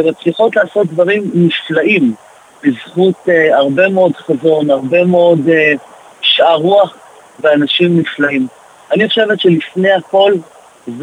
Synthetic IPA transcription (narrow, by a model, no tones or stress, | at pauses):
emat͡sliχo̞tlaːso̞t̪̚d̪vaʁimniflaʔim | bizχut̪eaʁbe̞meodχazo̞naʁbe̞meo̞de | ʃaʁuaχ | veanaʃimniflaim | aniχoʃe̞vetʃelifne̞jako̞l | z